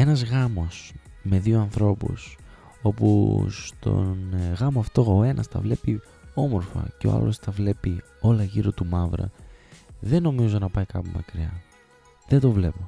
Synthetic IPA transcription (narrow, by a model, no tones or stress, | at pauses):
e̞nɐzɣɐmo̞sme̞ðioɐnθɾo̞pṵs | o̞pṵst̪o̞̰nɣɐmoɐft̪o̞oe̞nʔɐst̪ɐ̰vle̞pi | o̞mo̞ɾfɐ̰ceo̞̰ɐ̰lo̞st̪ɐvle̞pi | o̞lɐʝiɾo̞t̪umɐvɾɐ̰ | ðe̞no̞mizonɐpɐikɐpumɐkɾiɐ | ðed̪o̞vle̞po